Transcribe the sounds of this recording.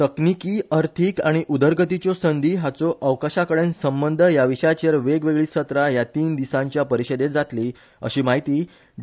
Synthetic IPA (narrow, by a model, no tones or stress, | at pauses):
t̪əknikiːəɾt̪ʰiːkaɽ̃iʔud̪əɾɡʱət̪it͡ɕosənd̪ʱiːɦat͡soʔəʋkaɕakəɽensəmbənd̪ʱəjaʋiɕəjat͡ɕeɾʋeɡʋeɡɭiːsət̪ɾajat̪iːnd̪isãɲt͡ɕjapəɾiɕed̪et̪d͡zat̪liː | ə̰ɕiːmaɦit̪iː